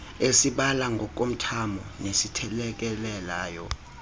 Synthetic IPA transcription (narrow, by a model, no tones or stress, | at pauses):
esiɓalaŋɡʱɔk̬ʼom̩tʰamɔnesitʰɛlɛk̬ɛlɛlaːjɔ